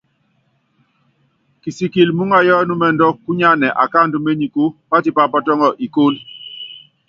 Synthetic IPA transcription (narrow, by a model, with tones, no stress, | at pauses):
ki˨si˨ki˨lmu˦ŋa˨jɔ˦nu˦mɛ˦ndɔ˦kːu˦ɲa˦nɛ˨ʔa̰˨ka˦˨ndu˦me˦ɲi˨ku˦pa˦ti˦pa˦pɔ˦tɔ˦ŋɔ˦ʔi˨ko˦l